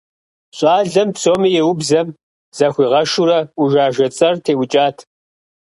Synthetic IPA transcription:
ɕʼɑːɮɐmpsoːmijɛwʊbzɐm | z̥ɐxʷiːʁɐʃuɾɐʊʒaːʒɐt͡sʼɐrtʰeːwʊt͡ʃʼaːtʰ

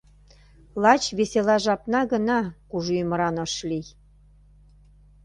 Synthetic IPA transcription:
lɑt͡ɕβeselɑʒɑpnɑɣə̆nɑkuʒuməɾɑnə̆ʃlij

